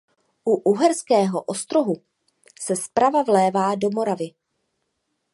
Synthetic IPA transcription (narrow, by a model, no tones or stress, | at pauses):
ʔuʔuɦɛɾskɛːɦoʔost̪ɾo̞ɦu | sɛspɾavavlɛːvaːdo̞mo̞ɾavɪ